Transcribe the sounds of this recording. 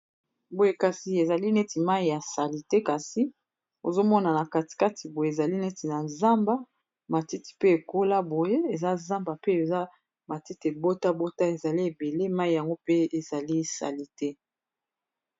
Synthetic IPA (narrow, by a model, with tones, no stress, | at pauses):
bo˨je˦ka˨si˨e˨za˨li˦nɛ˦ti˨ma˦i˨ja˨sa˨li˨te˦ka˨si˦ | o˨zo˦mɔ˦na˨na˨ka˨ti̥˨ka˦tʰi˨bo˨je˨e˨za˨li˦nɛ˦ti˨na˨za˦mba˦ | ma˨ti˦ti̥˨pe˦e˨ko˦la˦bo˨je˦e˨za˦za˦mba˨pe˦e˨za˦ | ma˨ti˦te˨bo˦ta˦bo˦ta˦e˨za˨li˦e˨be˨le˦ma˦i˨ja˨ŋɡo˦pe˦e˨z̥a˨li˦sa̰˨li˦tɛ˦